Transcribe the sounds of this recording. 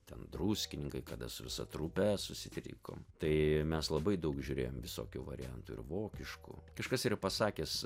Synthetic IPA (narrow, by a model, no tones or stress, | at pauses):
t̪ʲɛnd̪ruːsʲkʲɪnʲɪŋkɐɪkɐd̪ɐsʊʋʲɪsɐ̰t̪ɾupʲɛsʊsʲɪt̪ʲɾʲḭːko̰ːmt̪ɐɪmʲɛslˠɐbɐɪd̪ɐʊkʒʲʊɾʲeːjoːmʋʲɪso̰ːkʲuːʋɐ̰ɾʲɪ̰jɛnt̪uːɪ̰ɾʋoːkʲɪʃkṵːkɐʃkɐsiːɾɐpɐsɑːkʲeːs